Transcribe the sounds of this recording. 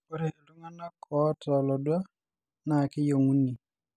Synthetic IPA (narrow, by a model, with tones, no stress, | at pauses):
kɔ˦ɾe˨lu˦ŋa˦na˦kʰɔ˨˦tɔ˨lɔ˨dwa˦ | na˨kɪ˦jo˨ŋu˦ni˨